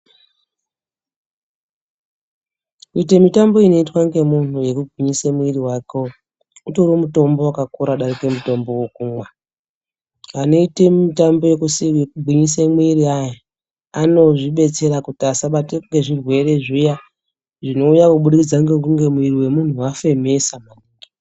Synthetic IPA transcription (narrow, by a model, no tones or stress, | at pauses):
kuite̞mitambo̞ino̞itwaŋɡe̞mun̤uje̞kubʱiɲisemuiriwako̞ | utoɾomuto̞mbo̞wakakuɾaɗarike̞muto̞mbo̞wokumwa | ano̞itemitambo̞je̞kusikubʱwiɲisemwiɾiaja | ano̞ʐiɓe̞t͡se̞ɾakutiasaɓateŋɡe̞ʐirwe̞re̞ʐija | ʐino̞ujakuɓuɗikid͡zaŋɡekuŋɡe̞mwiriwe̞mun̤uwafe̞me̞samaniːŋɡi